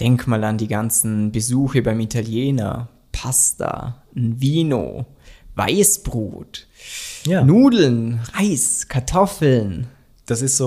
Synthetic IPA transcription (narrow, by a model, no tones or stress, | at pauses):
d̥ɛŋkmaːlandiːɡant͡sn̩bəzuːxəbaɪmitʰaljeːnɐ̰ | pʰasta̰ | nviːno̰ː | va̰ɪsb̥ʁṵːt | januːdl̩nʁaɪskʰaɐtʰɔfl̩n | d̥asɪstz̥o